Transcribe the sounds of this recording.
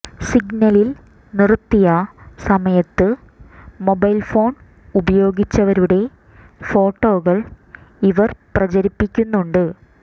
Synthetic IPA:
siɡnɐlil | nirt̪ːijɐsɐmɐjɐt̪ːɨ | mo̞bɐjlfo̞ːn | ubɐjo̞ːɡit͡ɕːɐʋɐɾuɽe̞ | fo̞ːʈːo̞ːɣɐɭ | iʋɐrprɐt͡ɕɐɾipːikʲːunːuɳɖɨ

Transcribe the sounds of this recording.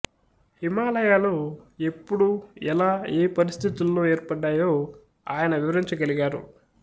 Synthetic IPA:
himaːlɐjaːloːe̞pːuɽuɛlaːeːpɐɾist̪ʰit̪ulːo̞ːeːɾpɐɖːaːjo̞ː | aːjɐnɐʋiʋɐɾiɲt͡ʃɐɡɐliɡaːɾṵ

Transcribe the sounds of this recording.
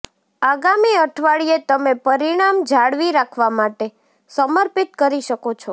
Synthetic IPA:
aɡamiəʈʰʋaɭiet̪əmepəɾiɽ̃amd͡ʒʱaɽʋiɾakʰʋamaʈe | səməɾpit̪̚kəɾiʃəkot͡ʃʰo

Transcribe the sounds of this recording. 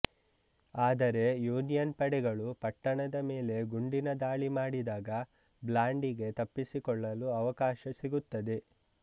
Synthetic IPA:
aːd̪ɐɾe̞juːnijɐnpɐɽɛɡɐɭupɐʈːɐɳɐd̪ɐmeːle̞ɡuɳɖinɐd̪aːɭimaːɽid̪aːɡɐ | blaːɳɖiɡe̞t̪ɐpːisikɔɭːɐluɐʋɐkaːʃɐsiɡut̪ːɐd̪e̞

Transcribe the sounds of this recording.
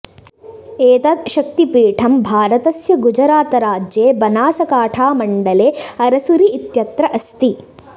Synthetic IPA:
eːt̪ɐt̪ʃɐk̚t̪ipiːʈʰɐmbʱaːɾɐt̪ɐsjɐɡud͡ʒɐɾaːt̪ɐɾaːd͡ʒjeːbɐnaːsɐkaːʈʰaːmɐɳɖɐleːɐɾɐsuɾiːt̪jɐt̪ɾɐʔɐst̪i

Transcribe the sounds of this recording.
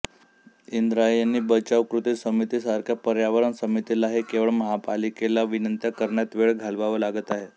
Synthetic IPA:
ind̪ɾajanːiːbət͡ɕaʋkɾut̪isəmit̪iːsəɾkʰjapəɾjaʋəɾəɳsəmit̪ilaɦekeʋəɭməɦapalikelaʋinənt̪jakəɾɳjat̪ʋeɭɡʱalʋaʋəlaɡət̪aɦe

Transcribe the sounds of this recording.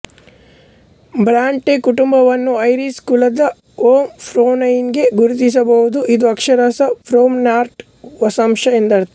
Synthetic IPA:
bɾaːɳʈekuʈumbɐʋɐnːuɐjɾiskulɐd̪ɐ | oːmpʰɾoːnɐjnɡe̞ɡuɾut̪is̬ɐbɐɦud̪uʔid̪uɐkʂɐɾɐsɐpʰɾoːmnaːɾʈ | ʋɐsɐmʃɐend̪ɐɾt̪ɐ

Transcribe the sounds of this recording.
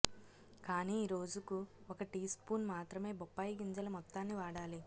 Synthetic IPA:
kaːniːɾo̞ːd͡ʒukuɔkɐʈiːspuːnmaːt̪ɾɐme̞ːbɔpːaːjiɡiɲd͡ʒɐlɐmɔt̪ːaːnːiʋaːɽaːli

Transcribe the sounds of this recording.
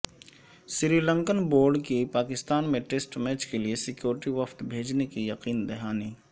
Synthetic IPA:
sɪɾiːlə̃ŋkənboːɾɖkipaːkɪst̪aːnmẽʈeːsʈmɛːt͡ʃkeliesɪkjoːɾɪʈiʋəft̪bʱeːd͡ʒnekijɐqiːnd̪ɛɦaːniː

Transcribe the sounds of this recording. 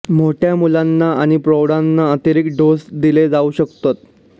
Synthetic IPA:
moʈʰjamulanːaaɽ̃ipɾowɽanːaət̪əɾikɖosd̪iled͡zauːɕəkt̪ot̪̚

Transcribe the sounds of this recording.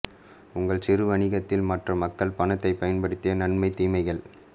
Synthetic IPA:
ʊŋɡɐɭsɪɾɯʋɐɳɪɣɐt̪ːɪlmɐʈrɐmɐkːɐɭpɐnɐt̪ːɐɪpːɐjɐnpɐɽɯt̪ːɪjɐnɐɳmɐɪt̪ːiːmɐɪɣɐɭ

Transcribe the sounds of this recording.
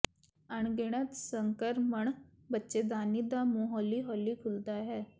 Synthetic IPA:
aɳɡeɽ̃ət̪səŋkəɾməɳ | bətːʃed̪aːnid̪amũɦɔlːiɦɔːlːikʰuld̪aɦɛː

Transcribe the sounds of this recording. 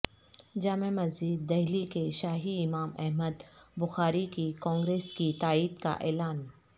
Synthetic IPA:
d͡ʒaːmemɐziːd̪ːɛɦlikeʃaːɦiɪmaːmɛ̰ɦməd̪bʊxaːɾikikɔ̃ːŋɡɾeːskit̪aːiːd̪ka̰ʔɛːlaːn

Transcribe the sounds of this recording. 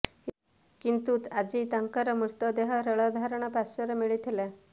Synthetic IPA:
kint̪uːt̪ad͡ʑit̪aŋkaɾəmuɾt̪əd̪eɦaɾəɭəd̪ʱaɾɳ̃apasəɾəmiɭit̪ʰela

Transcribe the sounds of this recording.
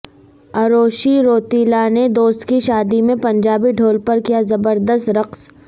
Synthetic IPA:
ɐɾoːʃiɾoːt̪iːlaned̪oːst̪kiʃaːd̪imẽpɐ̃ɲd͡ʒaːbiɖʱoːlpɐɾkijazɐbəɾd̪əst̪ɾɐqs

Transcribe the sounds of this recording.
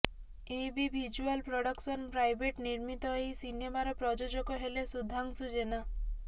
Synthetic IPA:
ebibid͡ʒualpɾɔɽɔksɔnpɾajbeʈniɾmit̪ɔɦejsinemaɾɔpɾɔd͡ʒod͡ʒɔkɔɦelesud̪ʱːaŋsud͡ʒena

